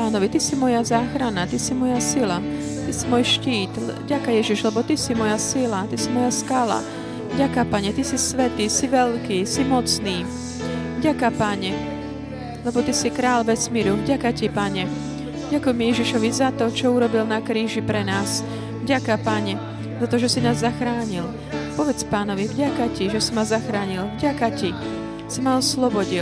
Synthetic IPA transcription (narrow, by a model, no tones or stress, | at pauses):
paːnɔʋit̪isimɔjazaːxɾanat̪isimɔjasila | t̪isimʊɔjʃciːt̪vɟakajɛʒiʒlɛbɔt̪isimɔjasilat̪isimɔjaskala̰ | vɟakapaɲɛt̪isisʋɛt̪iːsiʋɛʎkiːsimɔt͡sniː | vɟakapaɲɛ | lɛbɔt̪isikɾaːlʋɛsmiɾuvɟakacipaɲɛ | ɟakujmɛjɛʒiʃɔʋizat̪ɔt͡ʃɔuɾɔbilnakɾiːʒipɾɛnaːs | vɟakapaɲɛ | zat̪ɔʒɛsinaːzːaxɾaːɲil | pɔʋɛt͡spaːnɔʋivɟakaciʒɛsimazaxɾaːɲilvɟakaci | simaɔslɔbɔɟi